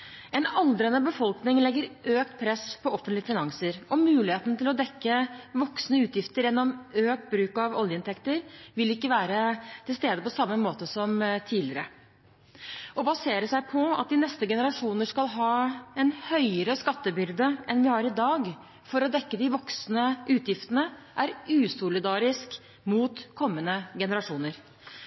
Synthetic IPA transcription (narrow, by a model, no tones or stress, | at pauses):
ɛnɑld̪ɾənəbəfɔlknɪŋlɛɡːəɾøːk̚t̪̚pʰɾɛspʰɔɔfənt̪lɪəfɪnɑŋsəɾɔmʉːlɪheːt̪nt̪ɪlɔd̪ɛkːəʋɔksnəʉːt̪jɪft̪əɾjɛnːɔmøːk̚t̪̚bɾʉːkɑʋɔ̰ljəɪnt̪ɛkt̪əɾʋɪlɪkːəʋæːɾət̪ʰɪlst̪eːd̪əpɔsɑmːəmoːt̪əsɔmt̪ʰiːlɪəɾə | ɔbɑseːɾəsæɪpʰɔɑ̰t̪̚d̪ɪnɛst̪əɡɛnəɾɑʂuːnəʂkɑlɦɑːɛnhœʏəɾəskɑt̪ːəbʏɾd̪əʔɛnʋɪhɑɾɪd̪ɑːɡ | fɔɾɔd̪ɛkːəd̪ɪʋɔksnəʔʉːt̪ʰjɪft̪ənəʔæɾʉːsʊlɪd̪ɑːɾɪsk | muːt̪kʰɔmːənəɡɛnəɾɑʂuːnəɾ